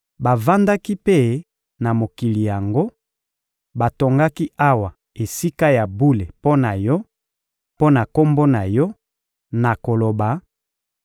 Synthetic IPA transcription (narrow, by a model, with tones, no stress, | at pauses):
ba˨va˦nda˦ki˦pe˦˨ | na˨mo˨ki˨li˨ja˨ŋɡo˦ | ba˨to˨ŋɡa˦ki˦a˦wa˨ | e˨si˦ka˦ja˨bu˦le˨po˦na˨jɔ˦ | po˦na˨ko˦mbo˦na˨jɔ˦ | na˨ko˨lo˨ba˨